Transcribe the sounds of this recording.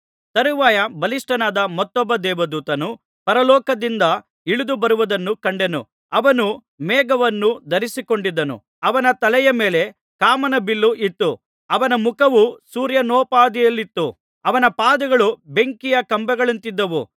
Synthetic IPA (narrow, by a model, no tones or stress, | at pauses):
t̪ɐɾuʋaːjɐbɐliʂʈɐnaːd̪ɐmɔt̪ːɔbːɐd̪ɛːʋɐd̪uːt̪ɐnu | pɐɾɐlɔːkɐd̪ind̪ɐ | iɭud̪ubɐɾuʋɐd̪ɐnːukɐɳɖenṵ | ɐʋɐnu | mɛːɡɐʋɐnːud̪ɐɾisiko̞ɳɖid̪ːɐnṵ | ɐʋɐnɐt̪ɐlɛjɐmeːle̞ | kaːmɐnɐbilːuʔit̪ːu | ɐʋɐnɐmukɐʋusuːɾjɐnɔːpaːd̪ijɐlːit̪ːu | ɐʋɐnɐpaːd̪ɐɡɐɭube̞ŋkijɐkɐmbɐɡɐɭɐnt̪id̪ːɐʋṵ